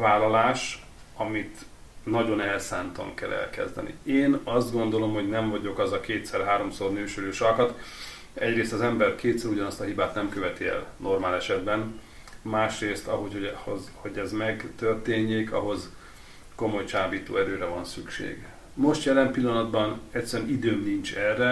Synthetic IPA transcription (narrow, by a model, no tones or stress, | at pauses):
vaːlɒlaːʃ | ɒmit̪ | nɒɟo̞nɛlsaːnt̪ɒ̰ŋkɛ̰lːɛ̰lkɛ̰zd̪ɛ̰nḭeːnɒzd̪ɡo̞nd̪o̞lo̞mho̞ɟnɛɱvɒɟo̞kɒzɒkeːt̪sɛrɦaːɾo̞msornøːʃøløːʃɒkɒt̪ | ɛɟreːst̪ɒzɛmbɛrkeːt̪sɛɾuɟɒnɒst̪ɒɦibaːt̪nɛmkøvɛt̪iɛ̰lnʔo̞rmaːlɛʃɛd̪bɛn | maːʃreːst̪ɒɦohozho̞ɟɛzmɛɡt̪ørt̪eːɲːeːkʰɒ̰ɦo̞z | ko̞mo̞jt͡ʃaːbiːt̪o̰ːɛɾøːɾɛvɒnsykʃḛːɡ | mo̞ʃt̪jɛlɛmpilːɒnɒd̪bɒnɛcʲsːɛɾɛnid̪øːmnint͡ʃɛrːɛ